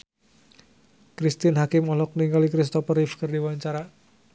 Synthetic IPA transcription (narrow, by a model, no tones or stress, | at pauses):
kɾist̪inɦakɪmɔlɔk̚niŋɡalikɾist̪ɔpərifkərdiwaɲt͡ʃaɾa